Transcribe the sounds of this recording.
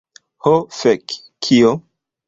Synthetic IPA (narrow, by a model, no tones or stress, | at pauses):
hofek | kʰːio